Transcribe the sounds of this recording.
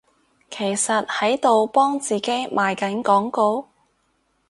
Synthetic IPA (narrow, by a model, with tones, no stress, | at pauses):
kʰe˨˩jsɐ˨t̚hɐ˨˥jt̪o˨wpɔː˥ŋt͡siː˨ke˨˥jmʔaː˨jkɐ˨˥nkɔː˨˥ŋko˧w